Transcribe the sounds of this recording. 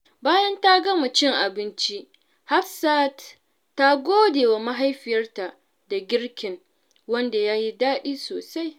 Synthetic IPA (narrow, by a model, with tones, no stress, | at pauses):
baː˦jɐ˦nta˦ɡɐ˦mu˨t͡ʃɪ˦ŋʔa˨bɪ˦nt͡ʃi˦ | ha˦ɸsa˦t | tːa˦ɡʷoː˦deː˨wa˨ma˦ɦa˦jɸɪ˨jɐ˦rta˨ʔ | da˨ɡʲɪ˦ɽkʲɪ˨ŋ | wɐ˦nda˨jaː˦ji˦daː˦ɗiː˦soː˨sa˦j